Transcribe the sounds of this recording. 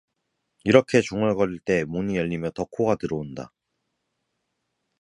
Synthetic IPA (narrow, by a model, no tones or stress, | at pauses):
iɾʌkʰe̞t͡ɕuŋɯɭɡʌɾiɭt͈e̞munijʌʎːimjʌtʌkʰoɡatɯɾʌonda̰